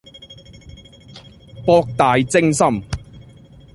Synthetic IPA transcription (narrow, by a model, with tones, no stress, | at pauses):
pɔː˧k̚t̪aː˨jt͡sɪ˥ŋsɐ˥m